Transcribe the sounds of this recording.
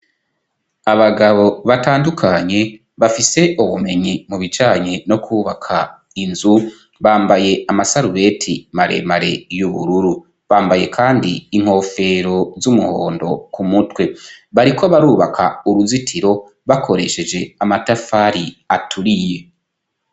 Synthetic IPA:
aβaɡaβo̞βataːndukʰaɲe̞ | βafise̞ʔuβume̞ɲimuβit͡ʃaːɲeno̞kʰuːβakʰa | inzu | βaːmbaje̞amasaɾuβe̞tʰḭmaɾḛmaɾe̞̰juβṵɾuɾu | βaːmbaje̞kʰaːndiːŋ̥ho̞ːfe̞ɾo̞zumuho̰ːndo̞kumutwe̞βaɾikʰo̞βaɾuːβakʰa̰uɾuzitʰiɾo̞ | βakʰo̞ɾe̞ʃe̞d͡ʒe̞amatafaɾiatʰuɾije̞

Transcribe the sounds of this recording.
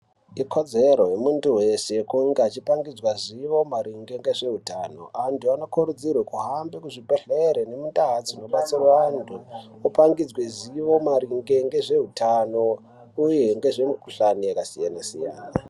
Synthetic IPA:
ikʰod͡ze̞ɾojemuntuwe̞se̞kuŋɡaat͡ʃipaŋɡid͡zwaziʋo̞maɾiŋɡe̞ŋɡe̞ʐe̞ɦutaːno̞̰antʰuano̞kuɾud͡zirwakuɦambekuʐibʱeɮeɾene̞mundaɦat͡sinoɓat͡siraantʰu | upaŋɡid͡zweziʋo̞maɾiŋɡe̞ŋɡe̞ʐe̞ɦutʰano | ujeŋɡe̞ʐe̞mukuɬaniakasijanasija̰ːna

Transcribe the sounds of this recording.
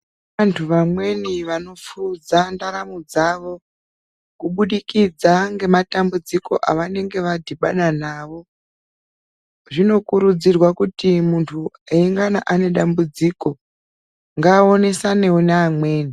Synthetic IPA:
antʰuʋamwe̞niʋano̞fud͡zandaɾamud͡zaʋo̞ | kuɓuɗikid͡zaŋɡe̞matambud͡ziko̞ʔaʋane̞ŋɡe̞ʋadʱiɓaɗanaːʋo̞ | ʐino̞kuɾud͡zirwakutimuntʰu | eiŋɡanaʔane̞ɗambud͡ziko̞ | ŋɡaːo̞ne̞sane̞oneːmwe̞ːni

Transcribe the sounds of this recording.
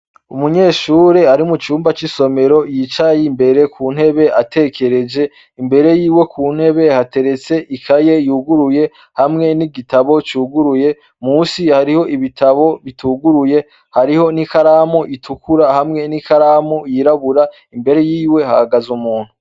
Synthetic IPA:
umuɲe̞ːʃuːɾeaɾimut͡ʃuːmbat͡ʃiso̞me̞ɾo̞jit͡ʃajimbe̞ɾe̞kʰuːn̥e̞βe̞atʰe̞kʰe̞ɾe̞d͡ʒe̞ | imbe̞ɾe̞jiːwe̞kʰuːn̥he̞βe̞hate̞ɾe̞t͡se̞ʔikʰaje̞juɡuɾuje̞ | hamŋe̞niɡitaβo̞t͡ʃuːɡuɾuje̞ | muːsihaɾiho̞ʔiβitʰaβo̞βitʰuːɡuɾuje̞ | haɾiho̞nikaɾaːmuʔitʰukʰuɾahamŋe̞nikaɾaːmujiɾaβuɾa | imbe̞ɾe̞jiːwe̞ha̰haɡazumuːn̥hu

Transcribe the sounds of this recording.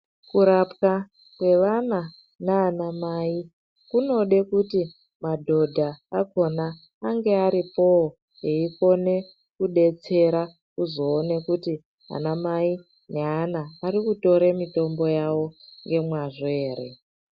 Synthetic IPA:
kuɾapka | kwe̞ʋana | naːnamai | kuno̞ɗe̞kuti | madʱo̞dʱaːko̞naː | ŋɡe̞aɾipo̞ | ɦeiko̞ne̞ | kuɗe̞t͡se̞ɾa | kuzo̞ːne̞kuti | a̰namai | neanaːɾikuto̞ɾemito̞mbo̞jawo̞ŋɡe̞mwaʐoeːɾe̞

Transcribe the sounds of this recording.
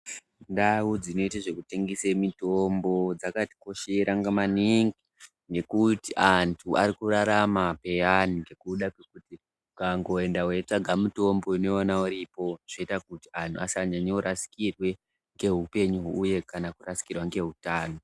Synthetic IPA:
ndawud͡zino̞itaʐe̞kuteŋɡisemitombo̞d͡zakati̥ko̞ʃeɾaŋɡamaniŋɡi | ŋe̞kutiʔantʰuʔaɾikuraɾamape̞janiɡe̞kuɗakwe̞kuti | kaŋɡo̞e̞ndawe̞t͡ʂaɡʱamuto̞mbo̞ineonauɾipo̞ʐ̥oitakuti̥antʰuasaɲaɲeuɾasi̥kirwe̞ | ŋɡe̞ɦupe̞ɲuɦːje̞kanakurasi̥kirwaŋɡe̞ɦutaːno̞

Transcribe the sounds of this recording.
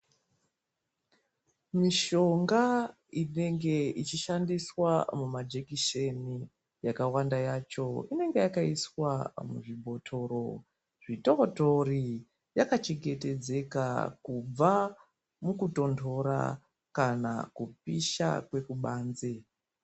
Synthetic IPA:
miʃo̞ŋɡa | ine̞ŋɡe̞it͡ʃiʃandiswamumad͡ʒe̞kiʃe̞ni | jakawandajat͡ʃo̞ine̞ŋɡe̞jakaiswamuʐibʱo̞tʰo̞ɾo̞̰ | ʐitoːto̞ri | jakat͡ʃe̞ɡe̞te̞d͡ze̞ka̰kub͡va | mukuto̞ndʰʱo̞ɾa̰ | kana̰kup̚iʃa̰kwe̞kuɓaːnze

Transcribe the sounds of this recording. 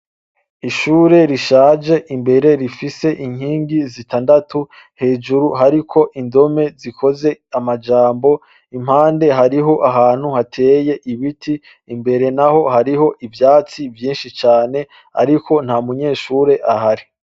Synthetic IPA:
iʃuːɾe̞ɾiʃaːd͡ʒe̞ʔimbe̞ɾe̞ɾifise̞ʔiɲ̥hiːŋɡizitaːndatu | he̞ːd͡ʒuɾuɦaɾikʰo̞ʔindo̞me̞zikʰo̞ze̞amad͡ʒaːmbo̞ | im̥haːnde̞ɦaɾiɦo̞ʔaɦaːn̥huhatʰe̞ːje̞ʔiβitʰiː | mbe̞ɾe̞naho̞ɦaɾiɦo̞ʔivjaːt͡sivjiːnʃit͡ʃaːne̞ | a̰ɾikʰo̞n̥hamuɲe̞ːʃuːɾe̞ʔaɦaɾi

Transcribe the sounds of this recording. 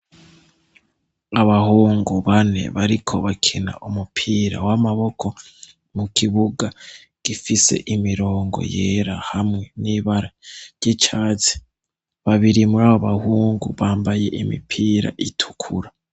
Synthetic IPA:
aβahuːŋɡuβane̞̰βaɾikʰo̞̰βakʰena̰ʔumupʰiːɾa̰wamaβo̞kʰo̞ | mukʰiβuɡa | ɡ̥ifise̞̰ʔimiɾo̞ːŋɡo̞̰je̞ːɾahamŋe̞niːβaɾaɾɟet͡ʃat͡si̥ | βaβiɾimuɾaːβoβahuːŋɡuβaːmbaje̞ʔimḭpʰiːɾa̰ʔitʰu̥kʰuɾa

